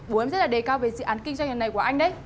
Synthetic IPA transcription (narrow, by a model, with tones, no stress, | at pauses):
ɓu˨˦˧zə˦˥t̚laː˨˩ɗe˨˩kaː˧wve˨˩sɨ̰˧˨ʔaː˨˦nkï˧ŋ̟za˧ŋ˨ə˨˩nːa˨˩jku˧˩əʔa˧ŋ̟ɗə˧˦j